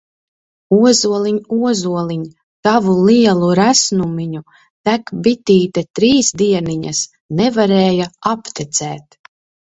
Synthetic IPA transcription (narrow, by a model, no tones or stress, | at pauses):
uɔzuɔlˠiɲuɔzuɔlˠiɲ | t̪avulˠiɛlˠuɾæsnumiɲu | t̪ækbit̪iːt̪ɛt̪ɾiːsd̪iɛniɲas | nɛvaɾɛːjaapt̪ɛt̪sɛːt̪